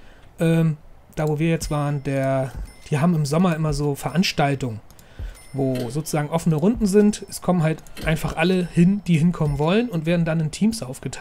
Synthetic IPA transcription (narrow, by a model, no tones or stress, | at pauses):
ʔɛːm | d̥aːvoːviːɐjɛt͡stv̥aːʁəndeːɐd̥iːɦaːbm̩ɪmzɔmɐʔɪmɐzoːfɛɐʔanʃtaltʊŋən | voːzoːt͡su̥zaːɡŋ̩ʔɔfənəʁʊndn̩zɪntʔɛskʰɔmənɦaltʔaɪnfaχʔaləhɪnd̥iːhɪnkʰɔmənvɔlənʊntv̥eːɐdn̩danɪntʰiːmsʔaʊfɡ̥ətʰa